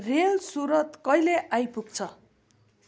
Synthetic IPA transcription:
relsuɾʌt̪kʌjleʔajpuk̚t͡sʰʌ

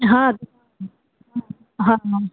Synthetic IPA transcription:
ɦãd̪ | ɦãɦã

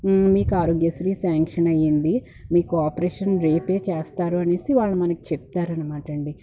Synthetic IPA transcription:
miːkaːɾoːɡjɐsɾiːsaːŋkʂɐnɐjind̪i | miːkuaːpɐɾeːʂɐnɾeːpe̞ːt͡ʃeːst̪aːɾuɐne̞ːsiʋaːɭːɐmɐnɐki̥t͡ʃɛp̚t̪aːɾɐnɐmaːʈɐɳɖi

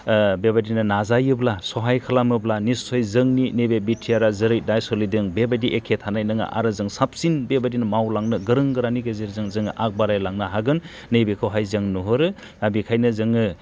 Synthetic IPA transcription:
bebadinɯnazajɯblasɔɦajkʰalamɯblanisʰojzɯŋninebebitʰːiaɾazɯɾɯj̚dajsolidɯŋbebadiʔekʰetʰanajnɯŋa̰ʔa̰ɾɯzɯŋsap̚sinbebadinɐmawlaŋnɯɡɯɾɯŋɡɯɾaniɡezeɾzɯŋzɯŋɯʔak̚baɾajlaŋnaɦaɡɯn | nejbekʰɯwɦajzaŋnuɦɯɾɯ | abikʰajnɯzɯŋɯ

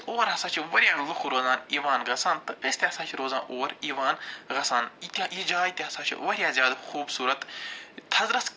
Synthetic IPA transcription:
oːɾɦɐsaːt͡ʃʰiʋɐɾjaːlʊxɾoːzãːniːʋaːnɣɐsaːnt̪ɨesʲt̪eɦɐsãːt͡ʃʰiɾoːzãːnʔoːɾiːʋaːnɣɐsaːnit̪ːjid͡ʒaːjt̪eɦɐsaːt͡ʃʰḭʋɐɾijaːzjaːd̪axuːbsuːɾɐt̪t̪ʰɐzɾɐs

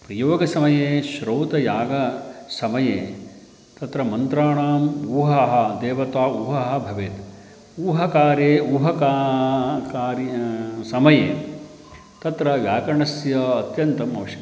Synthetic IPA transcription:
pɾɐjoːɡɐsɐmɐjeːʃɾoːt̪ɐjaːɡɐsɐmɐjeː | t̪ɐt̪ɾɐmɐnt̪ɾaːɳaːmuːɦɐɦɐ̆d̪eːʋɐt̪aːuːɦɐɦɐ̆bʱɐʋeːt̪ | uːɦɐkaːɾjeːuːɦɐka | kaːɾsɐmɐjeː | t̪ɐt̪ɾɐʋjaːkɐɾɐɳɐsjɐːt̪jɐnt̪ɐmɐʋʃ

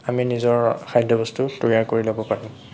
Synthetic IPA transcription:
aminizɔɹxʰajdʱɔbɔstutʊjaɹkoɹilɔbɔpaɹũm

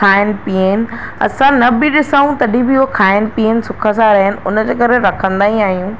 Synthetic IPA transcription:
kʰaːɪnɪ̆pienɪ̆ | ɐ̰sãnɐbɪɗɪsaːũt̪ɐɗĩbɪɪɦokʰaːɪnɪ̆pienɪ̆sʊkʰəsãɾɐɦənɪ̆ʊnəd͡ʑeːkɐɾeɾɐkʰə̃nd̪aːɦiaːɦijũː

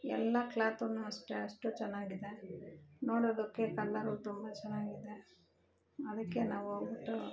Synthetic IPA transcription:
ɛ̰lːɐklaːtɐnːuɐʂʈeɐʂʈut͡ʃɛnːaːɡid̪e̞noːɽoːd̪okːekɐlːɐɾut̪umbɐt͡ʃɛnːaːɡid̪e̞ | ɐd̪ɐkːe̞naːʋɦoːɡbiʈːu

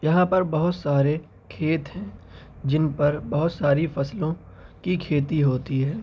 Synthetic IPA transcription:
jɐɦãpɐɾbɐɦʊt̪saːɾe | kʰeːt̪ɦɛ̃ː | d͡ʒɪnpɐɾbɐɦʊt̪saːɾifɐslõ | kikʰeːt̪iɦoːt̪iɦɛ̃ː

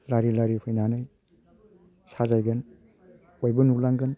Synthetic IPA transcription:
laɾilaɾipʰɯjnanɯj | sazajɡɯn | ojbɯnuklaŋɡɯn

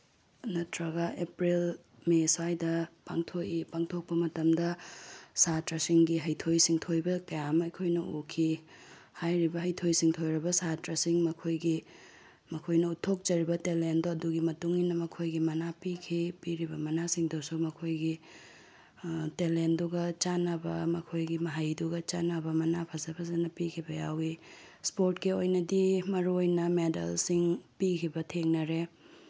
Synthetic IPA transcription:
nɐtɾɐɡɐʔepɾil | mesajdɐpaŋtʰokipaŋtʰok̚pɐmɐtɐmdɐsatɾɐsiŋɡiɦɐjtʰojsiŋtʰojbɐkɐjamɐɐjkʰojnɐʔukʰi | hajɾibɐɦɐjtʰojsiŋtʰojɾɐbɐsatɾɐsiŋmɐkʰojɡi | mɐkʰojnɐutʰːok̚d͡ʒɐɾibɐtelendoɐduɡimɐtuŋinɐmɐkʰojɡimɐnapikʰipiɾibɐmɐnasiŋdɐwsumɐkʰojɡi | telenduɡɐt͡ʃanɐbɐmɐkʰojɡimɐɦajduɡɐt͡ʃanɐbɐmɐnapʰɐzɐpʰazɐnɐpikʰibɐjawispoɾtkiojnɐdimɐɾuojnɐmedɐ̰lsiŋpikʰibɐtʰeŋnɐɾe

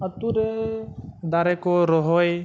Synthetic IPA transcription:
ət̪uɾɛ | d̪aɾɛkɔɾɔɦɔj

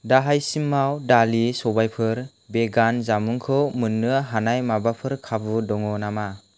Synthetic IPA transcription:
daɦajsimːawdalisɔbajpʰɯɾ | beɡanzamuŋkʰɯwmɯnːɯɦanajmabapʰɯɾkʰabudɔŋɔnama

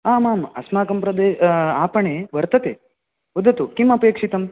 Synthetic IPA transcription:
aːmaːmɐsmaːkɐmpɾɐd̪eːaːpɐɳeːʋɐɾt̪ɐt̪eː | ud̪ʱɐt̪ukimɐpeːkʂit̪ɐm

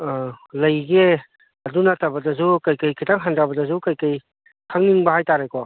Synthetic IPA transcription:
lɐjɡe | ɐdunatabɐdɐzukɐjkəjkʰitaŋɦandabɐdɐzukɐjkəj | kʰaŋniŋbɐhajtaɾekɔ

